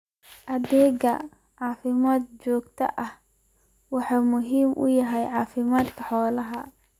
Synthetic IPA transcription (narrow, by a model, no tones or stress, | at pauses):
ʔɐðɛːɡɐ | ʕɑːfɪmaːd̪̚t͡ʃɔːɡt̪ʰɐ̰ʔɐh | wɑħɑːmʊɦiːmʔʊ̰jɐɦɛjʕɑːfɪmaːd̪kʰɐħɔːlɐɦɐ